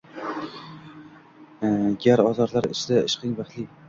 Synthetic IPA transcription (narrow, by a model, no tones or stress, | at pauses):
ɡʲaɾɒzɒɾlaɾɪ̰ʃlɪɪ̰ʃqʰɨŋbaχli